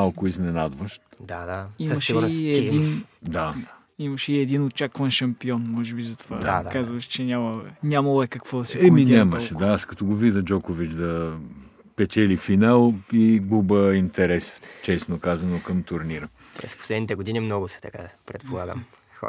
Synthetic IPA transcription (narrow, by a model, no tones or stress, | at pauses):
alˠkoiznɛnad̪vəʃt̪d̪ad̪aimɐʃɡɛiɛd̪ind̪a | imɐʃɛiɛd̪inot̪̚t͡ʃakvɐnʃɐmpiɔnmɔʒɛbizɐt̪ovad̪a̰akazvɐʃt͡ʃɛnʲamɐɛnʲamɐlˠɛkɐkvɔd̪ɐsɛɛminiaməʃɛd̪aaskɐt̪ɔɡovid̪əd͡ʒɔkovit͡ʃd̪ɐ | pɛt͡ʃɛlifinalˠiɡˠubəint̪ɛɾɛst͡ʃɛsnokazɐnokɐmt̪ʊɾniɾə | ppɾɛ̰sppo̥slɛd̪nit̪ɛɡod̪inimnɔɡʊsɛ̥t̪ɐka̰pɾɛt̪̚polˠaɡə̰m | xɔ̰